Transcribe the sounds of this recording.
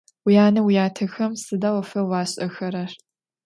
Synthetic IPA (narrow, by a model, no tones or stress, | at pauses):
wijaːnɐwijaːtʰɐxɐmsɨdaːwɐfɐwɑːɕʼɐxɐɾɐr